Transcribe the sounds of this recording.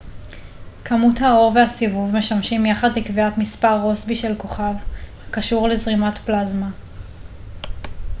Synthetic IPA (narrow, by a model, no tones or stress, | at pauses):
kamuthao̞ʁve̞hasivuvme̞ʃamʃimjaχadlikviatmispaʁːo̞sbiʃelko̞χavhakaʃuʁlezʁimatplazma